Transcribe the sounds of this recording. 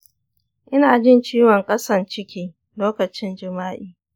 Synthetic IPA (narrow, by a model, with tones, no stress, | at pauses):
ʔɪ˦naː˨d͡ʒɪ˦˨nt͡ʃiː˦wɔ˨ŋkʼɐ˦sɐ˨nt͡ʃɪ˦kʲiː˦ | loː˦kɐ˨t͡ʃɪ˦nd͡ʒɪ˨maː˦ʔiː˦